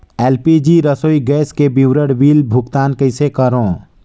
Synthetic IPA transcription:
eːlpid͡ʒiɾəsoːiɡɛːskebiwɾəɽwiːlbʱʊɡt̪aːnkəɪsekəɾõː

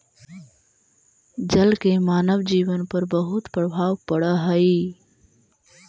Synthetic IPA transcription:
d͡ʒəlkemaːnəʋd͡ʒiːʋənpəɾbəɦut̪pɾəbʱaːʋpəɽəɦəi

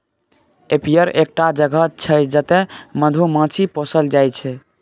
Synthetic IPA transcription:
epijəɾek̚ʈad͡ʒəɡʱət͡ʃʰəd͡ʒət̪eməd̪ʱumə̃t͡ʃʰipɔsəld͡ʒajt͡ʃʰɛ

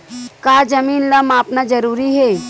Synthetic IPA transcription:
kaːd͡ʒɐmiːnlɐmaːpnad͡ʒɐɾuːɾiɦɛː

